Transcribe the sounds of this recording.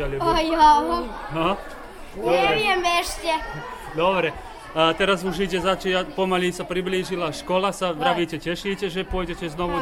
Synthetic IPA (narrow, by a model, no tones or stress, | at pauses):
alɔjaɦa | d̪ɔɾɛɛiɛmɛʃcɛ | d̪ɔbɾɛ | t̪ɛɾazuʒiɟɛzat͡ʃiapɔmalisapɾibliːʒilaʃkɔlasaʋɾaʋiːcɛcɛʃiːcɛʒɛpʊɔjɟɛcɛznɔʋu